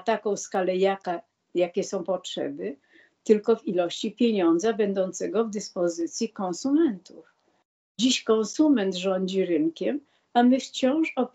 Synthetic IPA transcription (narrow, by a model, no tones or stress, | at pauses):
t̪akɔ̃w̃skalɛjaka | jakʲɛsɔ̃w̃pɔtʂɛ̰bɘ | t̪ɘlkɔvilɔɕt͡ɕipʲjeɲɔnd̪zabɛnd̪ɔnt̪sɛɡɔvd̪ɘspɔzɘt̪sʲjikɔ̃ñsumɛnt̪uf | d͡ʑiɕkɔ̃ñsumɛnt̪ʐɔɲd͡ʑiɾɘŋkʲɛm | amɘft͡ɕɔ̃w̃ʂɔp